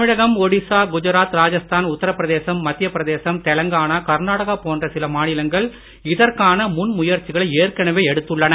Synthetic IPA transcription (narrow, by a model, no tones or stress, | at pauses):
mɪɻɐɣɐmɔɽɪsaːɡʊd͡ʒɐɾaːt̪ɾaːd͡ʒɐst̪ʰaːnʊt̪ːɐɾɐpːɾɐðeːsɐmːɐt̪ːɪjɐpːɾɐðeːsɐmt̪ɛlɐŋɡaːɳaːkɐɾnaːɽɐɣapoːndrɐsɪlɐmaːnɪlɐŋɡɐɭ | ɪðɐrkaːnɐmʊnmʊjɐɾt͡ʃɪɣɐɭɐɪeːrkɐɳɐʋeːɛɽɯt̪ːɯɭːɐnɐ